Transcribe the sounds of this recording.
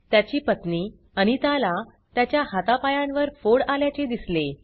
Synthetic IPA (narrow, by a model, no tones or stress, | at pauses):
t̪jat͡ɕiːpət̪niː | aɽ̃it̪ala | t̪jat͡ɕjahat̪apajãnʋəɾfoɽaljat͡ɕed̪isle